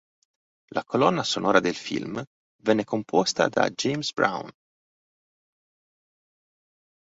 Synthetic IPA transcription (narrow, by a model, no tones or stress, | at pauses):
lʔakolɔnːasonʔɔːɾad̪elfḭlm | vɛnːekompʰɔst̪a̰d̪a̰d͡ʒejmsbɾa̰wn